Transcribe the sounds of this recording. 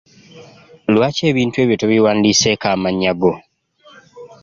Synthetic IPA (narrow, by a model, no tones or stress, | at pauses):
lwaːce̞ːβiːntue̞ːβjoteβiwaːndiːse̞ːkaːmaɲːaɡo̞